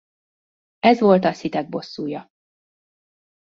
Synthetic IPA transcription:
ɛzʋo̞lt̪ɒsit̪ɛɡ̚bo̞sːuːjɒ

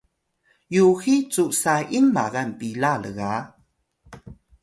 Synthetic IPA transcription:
juxit͡suʔsaʔimːa̰ɡanpilaləɣa

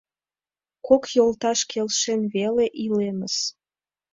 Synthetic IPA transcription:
kokjolt̪ɑʃkʰelʃenβeleʔileməs

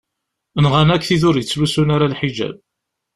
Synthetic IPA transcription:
nʁanækːθiðʊɾjət͡sːlusunaɾalħiʒæ̰b̚

